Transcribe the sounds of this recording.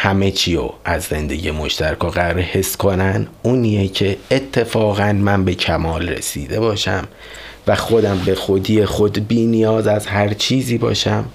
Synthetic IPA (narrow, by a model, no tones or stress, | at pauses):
hæme̞t͡ʃʰio̰æzːe̞nd̪e̞̰ɟiːjemo̞ʃt̪æɾækʰoɣæɾɾehe̞skʰonænuːniecʰe̞ːt̪ʰːe̞fɒːɣænmænbe̞cʰæmɒːlrḛsḭːd̪ebɒːʃæ̰m | væxo̞d̪æmbe̞xod̪ijexod̪biːnijɒːzæzɦæɾt͡ʃʰiːziːbɒ̰ːʃæm